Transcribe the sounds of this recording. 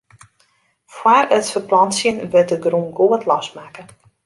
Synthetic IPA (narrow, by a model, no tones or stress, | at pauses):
fwarətfəplɔnsjənʋɪt̚dəɡrunɡoətʰlɔstmaːkə